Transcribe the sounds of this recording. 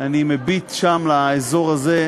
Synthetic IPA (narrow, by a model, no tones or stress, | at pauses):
animebitʃamlaezo̞ʁaze̞